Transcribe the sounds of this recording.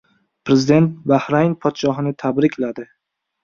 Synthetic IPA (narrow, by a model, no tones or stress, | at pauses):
pʰɾezɪd̪e̞nt̪̚bahɾajnpʰɒt̪ʃɒɦɪnɪt̪ʰabɾɪkʲʰlad̪ɪ